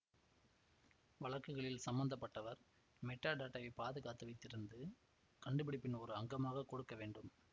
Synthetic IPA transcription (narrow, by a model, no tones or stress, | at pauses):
ʋɐɭɐkːɯɣɐɭɪlsɐmbɐnd̪ɐpːɐʈːɐʋɐɾ | mɛʈːaːɖaːʈːɐʋipaːðɯɣaːt̪ːɯʋɐɪt̪ːɪɾɯnd̪ɯ | kɐɳɖɯp̬ɪɽɪpːɪnɔɾɯɐŋɡɐmaːɣɐkːɔɽɯkːɐʋeːɳɖɯm